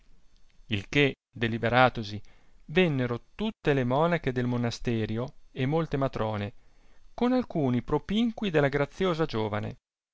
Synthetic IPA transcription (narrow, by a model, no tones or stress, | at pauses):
ilke | d̪elibeɾaːt̪osivenːeɾot̪ut̪ːelemɔːnaked̪elmonast̪ɛːɾjoemːolt̪emat̪ɾɔːnekonalkuːnipɾopiŋkwid̪elːaɡɾat̪sːjoːzad͡ʒoːvanḛ